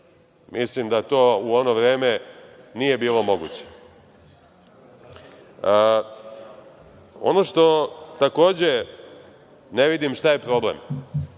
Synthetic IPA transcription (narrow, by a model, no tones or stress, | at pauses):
mʔislimd̪at̪o̞ːuo̞no̞ʋɾe̞ːme̞nije̞biːlo̞mo̞ɡut͡ɕe̥ | o̞̰noʃt̪o̞t̪ako̞ːd͡ʑe̞ | ne̞ʋid̪imʃt̪aje̞pɾo̞blḛm